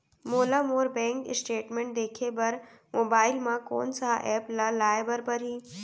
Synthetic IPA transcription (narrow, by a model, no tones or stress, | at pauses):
moːlamoːɾbɛ̃ːŋkɪ̰sʈeːʈmẽːɳʈ̚d̪eːkʰebɐɾ | moːbaːɪlmãko̰ːnsaʔɛːplalaːebɐɾpɐɾɦĩː